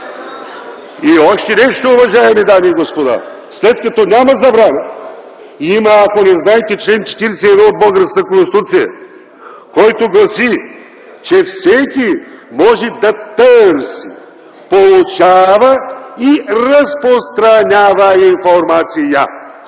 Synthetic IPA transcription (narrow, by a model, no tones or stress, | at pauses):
iɔʃt̪ɛnɛʃt̪oʊvɐʒaɛmɛd̪amiːɡospod̪a̰ | slɛt̪kɐt̪ɔnʲamɐzɐbɾanə | iməːkonɛznajt̪ɛt͡ʃlɛnt͡ʃɛ̥t̪iɾɛsɛɛvobəlˠɡəɾsk̪əkõnsit̪ut̪sijɐ̰ | kɔjt̪oɡlˠɐsi | t͡ʃɛfsɛkʲimɔʒɛd̪ɐt̪əɾsi | polˠut͡ʃavɐiɾɐspɾost̪ɾɐnʲavəinfoɾmat̪sijə